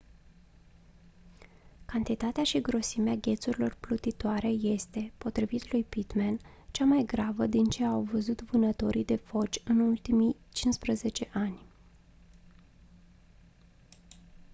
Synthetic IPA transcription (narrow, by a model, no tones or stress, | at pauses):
kant̪it̪at̪eaʃiɡɾo̞simeaɡʲe̞t̪suɾilo̞rplut̪it̪oaɾe̞je̞st̪e̞po̞t̪ɾivit̪lujpit̪men | t͡ʃamajɡɾavəd̪int͡ʃe̞awvəzut̪vɨnət̪o̞ɾʔid̪e̞fo̞t͡ʃʲɨnult̪imij | t͡ʃinspɾəze̞t͡ʃe̞ʔanʲ